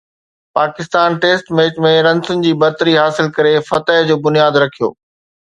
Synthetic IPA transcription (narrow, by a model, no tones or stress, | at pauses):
paːkɪst̪aːnʈeːsʈmeːt͡ɕmẽɾɐ̃nsʊnɪ̆d͡ʑiːbɐɾt̪əɾiɦaːsɪlkɐɾefɐt̪əɦd͡ʑoːbʊnijaːd̪ɾɐkʰijo̰ː